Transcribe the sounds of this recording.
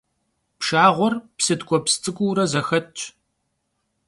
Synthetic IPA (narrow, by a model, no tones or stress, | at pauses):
pʃaːʁʷɔrpsɨdkʷʼɔpst͡sʼɨkʷʼuːɾɐzɐxɐtt͡ʃʼ